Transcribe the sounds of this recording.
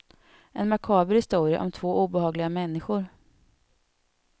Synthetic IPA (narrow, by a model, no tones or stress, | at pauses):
ʔɛnmakʰɑːbəɾhɪst̪uːɾɪa̰ʔɔmt̪ʰv̥oːʔuːbɛhɑːɡlɪɡamɛnːɪɧʊɾ